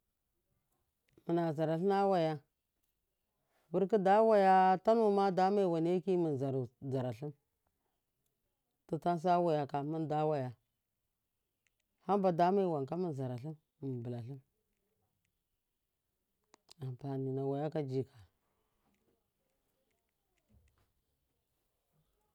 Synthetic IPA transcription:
mə˨na˨za˨ɾa˨ɬi˦na˦wa˨ja˦ | bu˦ɾki˦da˦wa˦ja˦ta˦nu˦ma˦da˦ma˦i˨wa˨n˦e˦ki˦mi˨n˨za˨ɾza˨ɾa˨ɬi˦m | tu˨ta˦n˦s̬a˦wa˨ja˨ka˨mu˦nda˦wa˦ja˨ | ha˦mba˨da˦ma˦i˦wa˨ŋka˦mi˦n˨za˨ɾa˨ɬi˦m˨ | m˨bə˨la˨ɬi˦m | a˨mpa˨ni˨na˨wa˨ja˦ka˦d͡ʒi˨ka˨

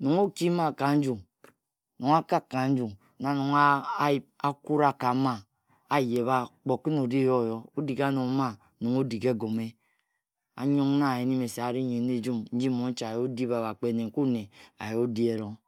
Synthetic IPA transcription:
nu˨ŋo˦ki˦ma˦˨ka˨n̩˦d͡ʒu˨ŋ | nu˨ŋa˦ka˦kːa˨n̩˦d͡ʒu˨ŋ | na˨nu˨ŋ˦ | a˦ku˦ɾa˦ka˨˦ma˦ | a˦je˨βa˦k͡po˨ki˦no˨di˦jo˦˨jo˦o˦di˨ka˦nu˨˦ma˦ | nu˨ŋo˦di˨ke˦˨ɡo˨me˦ | a̰˦ɲo˦ŋ˦na˦˨e˨ni˦me˨se˨a˨ɾi˦ɲe˨ne˦d͡ʒu˦mn̩˦d͡ʒi˦˨mo˨n̩˦t͡ʃa˨jo˦di˦ba˨βa˨k͡pe˦ne˨ŋ˨ku˦ne˨a̰˨jo˦di˦e˨ɾo˦

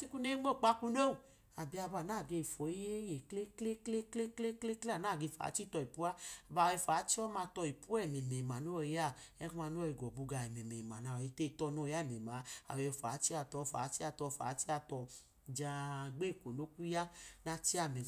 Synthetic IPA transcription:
t͡ʃi˦ku˦ne˦ŋ͡mo˦˨k͡pa˧ku˧˦no˦˨ | a˨bi˧˦a˧ba˧˨naː˦˨ɡe˧i˨fɔ˨i˦je˦je˨kle˦kle˦kle˦kle˦kle˦kle˦kle˦a˦˨naː˦˨ɡe˧˨fa̰˨˦t͡ʃi˦tɔ˧i˨pu˦a˦a˨ba˨ɛ˧fa˨˦t͡ʃi˦ɔ˦ma˧tɔ˧i˨pu˦ɛ˦˨me˨me˨ma˨no˦˧˨ja˦˨ɛ˦ka˧no˦˧˨i˨ɡɔ˨bu˧ɡa˧˨ɛ˨me˨me˨ma˨na˨i˧˦te˦˨tɔ˧no˧˦˧ja˦˨mɛ˨ma˨˦a̰˨wɛ˧˨fa̰˨˦t͡ʃi˦a˧tɔ˧fa̰ː˨˦t͡ʃi˦a˧tɔ˧fa̰ː˨˦t͡ʃi˦a˧tɔ˧ | d͡ʒa˧ɡ͡be˦˨ko˨no˦ku˦ja˦na˧t͡ʃi˦a˧˨me˨

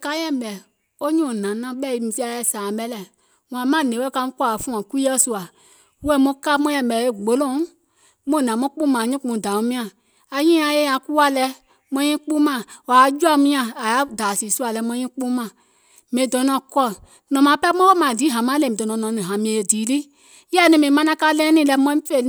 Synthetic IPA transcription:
ka˧˦jɛ̃˦˨ɓɛ˨ | o˦ɲũ˨nã˨nã˧˦ɓɛ˦˨i˧˦mĩ˧si˦a˧˨jɛ˧˦˨saː˨ɓɛ˦lɛ˨ | wã˨˦mã˦˨nẽ˨˦wɛ˦ka˧˦mũ˦kɔ˦˨fũ˦ã˨kʷi˦ɛ˦su˧a˨ | wɛ˦˨mũ˦ka˦mɔ̃˦ɛ̃˧˨ɓɛ˨e˦˨ɡ͡bo˦lõ˦˨ | mõ˦˨nã˨˦mɔ̃˦k͡pũ˦mãː˨ɲĩ˦k͡pũ˧˨da˨ũ˨˦mĩ˦ã˨ | a˧ɲĩː˦ã˧je˦ã˧ku˦a˦lɛ˧˦ | mɔ̃˧˦ɲĩ˦k͡pũ˦mã˨wa˨˦d͡ʒu˦a˦˧˦mĩ˦ã˧˨a˨ja˨˦daː˨si˨su˦a˨lɛ˧˦mɔ̃˧˦ɲĩ˦k͡pũ˦mã˨ | mẽ˨dɔ̃˨˦nɔ̃˧˨kɔ˦˨ | nɔ̃˨mã˨pɛ˦mɔ̃˦wo˦mã˨di˨˦ɦã˨mã˦le˧˨ĩ˨dɔ˨nɔ̃˨nɔ̃˨˦nĩ˨ɦã˨mĩ˧e˨e˧˨diː˨˦li˦ | jɛ˦˨nĩ˧mĩ˨mã˧nã˧˦ka˦lɛ̃˦nĩ˦˨lɛ˧mɔ̃˧˦ĩ˦fe˧˨

